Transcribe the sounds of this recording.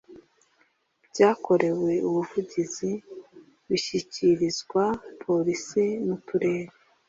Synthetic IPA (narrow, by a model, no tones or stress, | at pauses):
bɟaːko̞ɾe̞we̞uβuvuɟizi | βiʃiciɾizɡwapʰo̞ɾisinutuɾe̞ːɾe